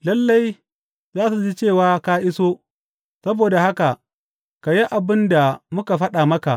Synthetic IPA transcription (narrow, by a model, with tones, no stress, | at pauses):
lɐ˦lːa˦j | zaː˦s̬u˨d͡ʒi˦t͡ʃeː˦˨waː˦ka˦ʔɪ˦soː˦ | sɐ˦boː˨da˨ha˦ka˨ | ka˨ji˦ʔa˨bɪ˦nda˨mʊ˦ka˨ɸɐ˦ɗa˨mɐ˦ka˨ʔ